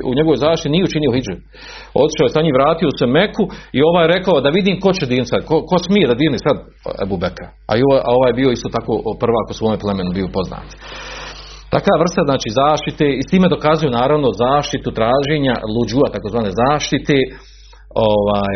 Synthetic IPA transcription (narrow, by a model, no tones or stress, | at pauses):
ṵɲe̞ɡo̞ʋojzaːʃt̪it̪inijeut͡ʃinijo̞hid͡ʒe | ot̪i̥ʃaːojesaɲiːʋɾaːt̪io̞se̞me̞kuio̞ʋaːjeɾe̞kaod̪aʋid̪iːmko̞t͡ɕed̪iːnt̪sad̪koko̞smijed̪ad̪iːɾnisad̪ | ḛbubekʰa | a̰joːʔa̰o̞ʋaːjebioist̪oːt̪akoːpr̩ʋaːkosʋo̞ːmeplˠemenubiopo̞zna̰ːt̪ | t̪akaːʋr̩st̪aznaːt͡ʃiːzaːʃt̪it̪eːist̪iːmjed̪o̞kazujunaːɾaʋno̞zaːʃt̪it̪ut̪ɾaːʒeːɲa̰lˠud͡ʒuat̪akozʋaːneːzaːʃt̪it̪eː | oʋaːj